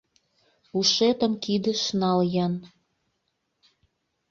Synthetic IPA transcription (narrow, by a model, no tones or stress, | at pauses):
uʃet̪ə̆mkid̪ə̆ʃnɑljɑn